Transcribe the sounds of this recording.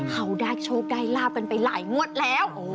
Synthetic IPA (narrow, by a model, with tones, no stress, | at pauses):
ha˧˩wdaː˧˩jt͡ɕʰoː˧˩p̚daː˧˥˩jlaː˥˩p̚ka˧˩npa˨˩jla̰ː˩˦jŋu˦˥ət̪̚lɛː˦˥wʔoː˧˩